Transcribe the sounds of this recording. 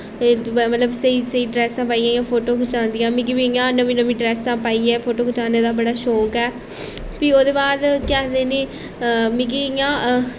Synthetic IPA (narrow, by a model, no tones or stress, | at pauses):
mət̪ləbsəiːsəiːɖɾɛːsãːpaːijãːɪãːpʰoːʈoːkʰʊt͡ʃãːnd̪ijãːmĩːɡiʋiɪjãːnəʋĩːnəʋĩːɖɾɛːsãːpaːiːɛːpʰoːʈoːkʊt͡ʃaːneːd̪aːbəɽaːʃoːkɛː | pioːd̪eːbaːd̪kad̪eːneː | mĩkiːɪjãː